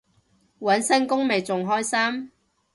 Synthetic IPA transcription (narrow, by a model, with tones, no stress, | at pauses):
wɐ˨˥nsɐ˥nkʊ˥ŋme˨jt͡sʊ˨ŋɦɔː˥jsaː˥m